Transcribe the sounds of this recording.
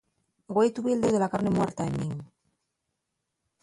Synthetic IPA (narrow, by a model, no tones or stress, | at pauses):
ɡwejt̪uβild̪eðelakaɾnemweɾt̪aemːiŋ